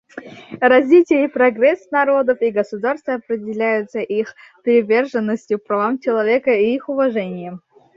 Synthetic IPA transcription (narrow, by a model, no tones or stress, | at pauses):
rɐzʲvʲitʲɪjəipɾɐɡrɛsnɐɾo̞d̪əfiɡəsʊd̪arst̪vəɐpɾʲɪdʲɪlʲæjʊt̪səʔixpʲɪɾʲɪvʲe̞rʐɨnːəsʲtʲjʊpɾɐvamt͡ɕɪlˠɐvʲekəiixʊvɐʐɛnʲɪjəm